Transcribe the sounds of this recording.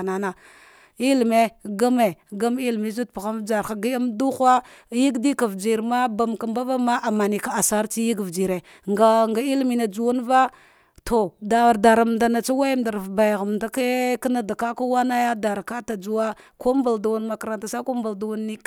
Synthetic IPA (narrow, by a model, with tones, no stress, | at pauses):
na˨na˨ | i˦lme˦ɡa˦me˨ɡa˦m˦i˦lmi˨zu˦t̚pa˨ɣa˦m˦d͡ʒa˨ɾxa˨ɡi˦ja˦mdu˦xʷa˦ji˦ɡdi˦ka˨vd͡ʒi˨ɾma˦ba˨mka˨mba˦va˦ma˦ʔa˨ma˨ni˨ka˨a˨sa˦ɾt͡ʃi˦ji˦ɡvd͡ʒi˨ɾe˨ | ŋɡa˨ŋɡa˨i˦lmi˨na˨d͡ʒu˨wu˦nva˦ | tʰo˨da˨da˨ɾa˨mda˨na˨t͡ʃa˦wa˦ja˦mda˨ɾvba˨jɣa˨mda˦ke˦ka˦na˦da˨ka˦ka˦wa˦na˦ja˦da˨ɾka˦ta˨d͡zu˦wa˦ko˦m˦ba˨ldu˨wa˦nma˨ka˨ɾa˨nta˨sa˦ko˦m˦ba˨lda˨wa˦nːi˦k